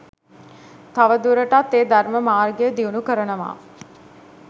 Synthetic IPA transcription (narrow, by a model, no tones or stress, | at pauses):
t̪aʋəd̪uɾəʈat̪ːeːd̪arməmaːrɡejəd̪iunukəɾənəʋa̰ː